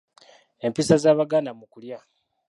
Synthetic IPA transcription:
e̞mpiːsazaːβaɡaːnamukulja

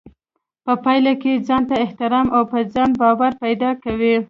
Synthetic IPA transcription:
pəpɑjlaked͡zɑnt̪aɪht̪ɪɾɑmʔawpəd͡zɑnbɑwaɾpajd̪ɑkawi

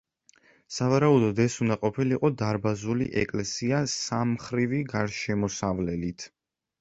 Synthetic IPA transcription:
savaɾaud̪ɔd̪ɛsunaqʼɔpʰiliqʼɔd̪aɾbazulḭʔɛ̰kʼlɛsiasamχɾiviɡaɾʃɛmɔsavlɛlit̪ʰ

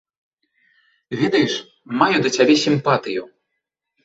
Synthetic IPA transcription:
vʲɛd̪ɐjɛʂ | majud̪ɐt͡sʲabʲɛsʲimpat̪ɨju

